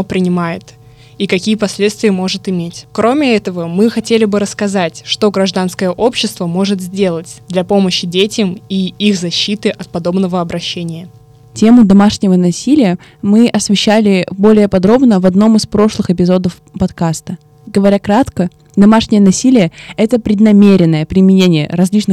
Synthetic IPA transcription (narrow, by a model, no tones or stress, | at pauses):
pɾʲɪnʲɪmajɪt̪ | ikɐkʲijəpɐsʲlʲet̪st̪vʲɪjəmo̞ʐɨt̪ɪmʲetʲkɾo̞mʲɪɛt̪əvəmɨxɐtʲelʲɪbɨɾəskɐzatʲʂt̪o̞ɡɾɐʐd̪anskəjəʔopɕːɪst̪vəmo̞ʐɨt̪zʲdʲe̞lˠətʲd̪lʲɐpo̞məɕːɪdʲetʲəmiixzɐɕːit̪ɨʔɐt̪̚pɐd̪o̞bnəvəɐbɾɐɕːenʲɪjə | tʲe̞mʊd̪ɐmaʂnʲɪvənɐsʲilʲɪjə | mɨʔɐsvʲɪɕːælʲɪbo̞lʲɪjəpɐd̪ɾo̞bnəvɐd̪no̞mɨspɾo̞ʂlˠɨxɨp̬ʲɪzo̞d̪əf | pɐt̪kast̪ə | ɡəvɐɾʲakɾat̪kə | d̪ɐmaʂnʲɪjənɐsʲilʲɪjəɛt̪əpɾʲɪd̪nɐmʲeɾʲɪnːəjəpɾʲɪmʲɪnʲenʲɪjə̰ɾɐzʲlʲit͡ɕnɨ